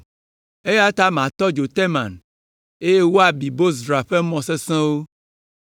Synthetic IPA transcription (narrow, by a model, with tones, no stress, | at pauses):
e˦ja˦t̪a˦m˨ã˨t̪ɔ˦d͡ʒo˨t̪ɛ˦mã̰˨n | e˦je˦wo˦a˨bi˨bo˦zdɾa˨ɸe˦mɔ̃˨se˦sɛ̃˦wo˦